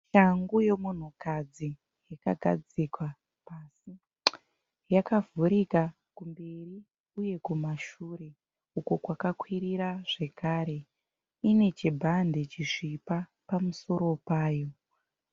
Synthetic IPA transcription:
ʃaŋɡuje̞mun̤ukad͡zi | jakaɡʱa̰d͡zikwa | pasi | jakavʱuɾika | kumberi | uje̞kumaʃuːɾe̞ | ukokwakakwiɾiɾaʐe̞kaɾe̞ | ine̞t͡ʃibʱande̞t͡ʃiʂipa | pamuso̞ɾo̞paːjo̞

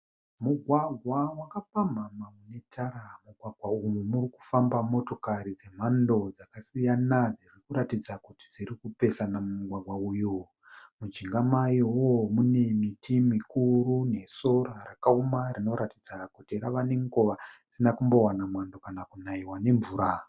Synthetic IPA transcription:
muɡʱwaɡʱwawakapam̤amamune̞tʰaɾamuɡʱwaɡʱwaumumuriku̥fambamo̞to̞kaɾid͡ze̞m̤ando̞d͡zakasijanad͡ziʐikuɾatid͡zakuti̥d͡ziɾikupe̞sanamuɡʱwaɡʱwaujuː | mut͡ʃiŋɡamajowomune̞mitʰimikuɾune̞so̞ɾarakaomarino̞ɾatid͡zakutiɾaʋane̞ŋɡoʋad͡zinakumbo̞wanamwando̞kanakunaiwane̞ɱvuːɾa

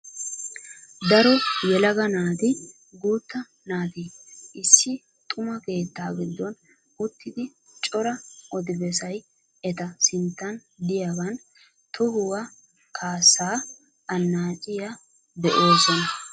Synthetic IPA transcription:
d̪ɐɾɔjɛlɐɡɐnaːt̪ɪ | ɡuːt̪ːɐ | naːt̪iɪsːɪ | t̪ʼʊmɐke̞ːt̪ːaːɡɪd̪ːɔn | ʊt̪ːɪd̪ɪ | t͡ʃʼɔɾɐʔɔd̪ɪbɛs̬ɐj | ɛt̪ɐsɪnt̪ːɐnd̪ɪjaɡɐn | t̪ɔɡʊwa | kʰaːsːaː | ɐnːaːt͡ʃʼɪja | d̪ɛʔo̞ːsɔnɐ

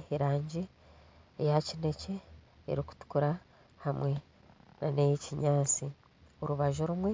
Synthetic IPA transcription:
eɾaːɲɟi | ejacine̞ce̞̰ː | ɾiku̥tu̥kuɾa | hamwe̞ | nanejeciɲaːt͡si | oɾuβaʒo̞ɾumwe̞

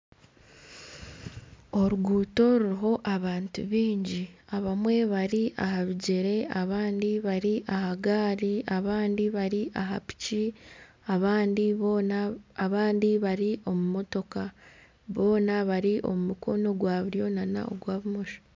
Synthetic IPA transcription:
o̞ɾuɡuːto̞ɾuɾiɦo̞ʔaβaːntṵβiːɲɟiaβamwe̞βaɾiʔaɦaβiɟe̞ɾe̞aβaːndiβaɾiʔahaɡaːɾiʔaβaːndiβaɾiʔaɦa̰pi̥ci | aβaːndiβ | βaːndiβaɾiʔo̞mumo̞to̞ka | βo̞ːnaβaɾiʔo̞̰mumuko̞no̞ɡwaːβuɾjo̞nana̰ʔo̰ɡwaːβumo̞ʃo̥

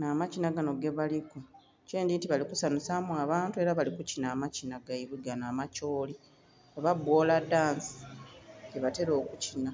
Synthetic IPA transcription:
naːmacinaɡano̞ɡe̞βaliko | ce̞ːndintiβalikusanusamuaβaːntue̞ɾaβalikucinaːmacinaɡaiβiɡanamaco̞ːli | oβabwoːladaːnsi̥ɟeβate̞ɾo̞ːkucina

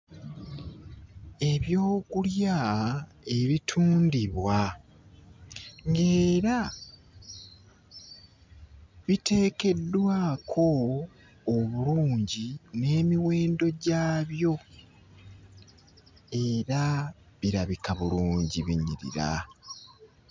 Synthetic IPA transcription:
e̞βjo̞ːkulja | e̞βitʰuːndiβwa | ŋɡe̞ːɾa | βite̞ːke̞dːwaːkʰo̞ː | βuluːɲɟine̞ːmiwe̞ːndo̞ɟaːβjo̞ | e̞ɾa | βiɾaβikaβuluːɲɟiβḭɲḭɾḭɾa̰

